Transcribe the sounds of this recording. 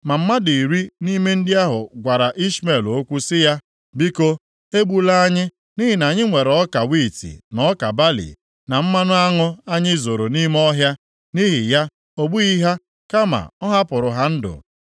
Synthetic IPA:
ma˨m̩˦ma˦di˨ɾi˦ni˦me˦n̩˦dɪ˦a˦ɦʊ̰˨ɡʷa˨ɾa˨ʔi˦sme˨lo˦kʷu˦sɪ˦ja˦ | bi˦ko˦ | e˦ɡ͡bu˦la˦a˦ɲɪ˦ | ni˦ɦi˨na˨ɲɪ˦ŋʷe˨ɾɔ˦ka˨wi˦˨tḭ˨nɔ˦ka˨ba˦lḭ˨ | na˨m̩˦ma˦nʊ˦a˦ŋʊ˦a˦ɲɪ˦zo˨ɾo˨ni˦m˦ɔ˦ɦja˦ | ni˦ɦi˨ja˦ | o˦ɡ͡bu˦i˦ɦa˦ | ka˦ma̰˨ɔ˦ɦa˦pʊ˨ɾʊ˨ɦa˦n̩˦dʊ̰˨

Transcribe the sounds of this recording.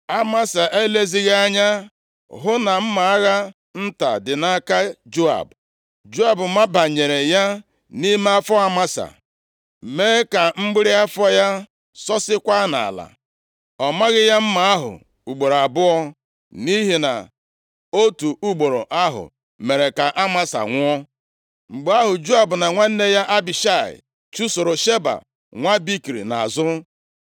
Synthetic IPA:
a˦ma˦sa˨ʔe˦le˦zi˦ɣa˦ɲa˦ | ɦʊ˦na˨m̩˦ma˨˦ɣa˦ | n̩˦ta̰˨dɪ˨na˦ka˦d͡ʒu˦a̰˨b | d͡ʒu˦a˨bʊ˨ma˦ba˨ɲe˨ɾe˨ja˦ | ni˦m˦a˦fɔ˦a˦ma˦sa̰˨ | me˦e˦ka˨ŋ͡m̩˦ɡ͡bɪ˦ɾi˦a˦fɔ˦ja˦ | sɔ˦sɪ˦kʷa˦na̰˨a̰˨la̰˨ | ɔ˨ma˦ɣɪ˦ja˦m̩˦ma˨a˦ɦʊ̰˨ | u˨ɡ͡bo˨ɾa˨bʊ˦ɔ˦ | ni˦ɦi˨na̰˨ | o˦tu˨u˦ɡ͡bo˨ɾo˨ʔa˦ɦʊ̰˨ | me˨ɾe˨ka˨ʔa˦ma˦sa̰˨ŋʷ˦ɔ˦ | ŋ͡m̩˨ɡ͡ba˦ɦʊ˨d͡ʒu˦a˨bʊ˨na˨ŋʷa˦n̩˦ne˦ja˦ʔa˦bi˨ʃa˦˨ɪ̰˨ | t͡ʃu˦so˨ɾo˨ʃe˦ba̰˨ | ŋʷa˦bi˦kɾḭ˨na̰˨a˨zʊ˦

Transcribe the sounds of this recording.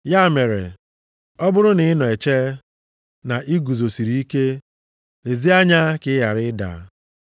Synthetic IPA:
ja˦˨me˨ɾḛ˨ | ɔ˦bʊ˦ɾʊ˦nɪ˨ɪ˦nɔ˨e˨t͡ʃe˦ | na˨ʔi˦ɡu˨zo˨si˨ɾi˨˦i˦ke˦ | le˨zi˦a˦ɲa˦kɪ˦ja˨ɾɪ˦da̰˨˦

